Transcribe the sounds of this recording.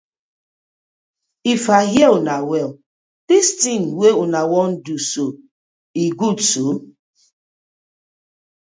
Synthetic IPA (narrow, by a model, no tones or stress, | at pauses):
ifaɦjelnawɛl | d̥istĩnweunawɔn̩duso | iɡudso